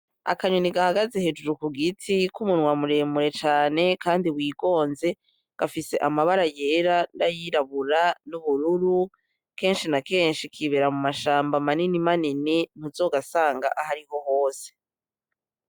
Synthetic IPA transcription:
a̰kaɲoniɡahaɡaze̞he̞d͡ʒuɾukuɡitʰikumunwamuɾe̞ːmuɾe̞t͡ʃaːne̞kaːndiwiːɡo̞ːnze̞ | ɡ̥afise̞ʔamaβaɾaje̞ːɾandajiɾaβuɾanuβuɾuɾu | ke̞ːnʃinake̞ːnʃikʰiβeɾamumaʃaːmbamaninimaninin̥uzo̞ɡasaːŋɡa̰ʔahaɾiho̞ho̞ːse̥

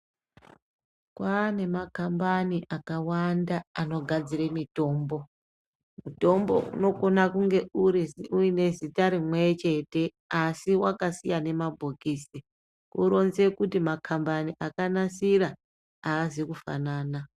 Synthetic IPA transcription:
kwane̞makambaniʔakawandaano̞ɡʱad͡ziremito̞ːmbo̞ | muto̞mbo̞̰ʔṵno̞ko̞nakuŋɡe̞uɾiziuine̞zitaɾimwet͡ʃe̞te̞ | asiwakasijane̞mabʱokiːsi | kuɾo̞nze̞kutimakʰambaniʔakanasiɾa | aːzikufa̰naːna

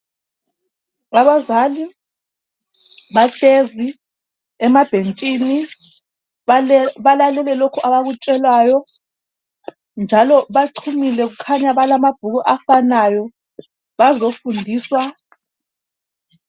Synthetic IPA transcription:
aβazali | βaɬezi | ɛmab̥ʱent͡ʃʼini | βalalɛlɛlokʰuʔaβaɣut͡ʃʼɛlwajɔ | nd͡ʒʱalɔβaǀʰumilɛɣ̬ukʰaɲaβalamab̥̚ʱuɣuʔafanajɔ | βazofundʱiːswa

